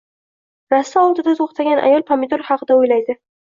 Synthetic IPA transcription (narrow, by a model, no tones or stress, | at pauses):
ɾasːaɒlˠt̪ɪd̪at̪ʰoχt̪ʰaɡʲanʔa̰jɒlˠpʰamed̪oɾχɑqʰɨd̪aojlajd̪ɪ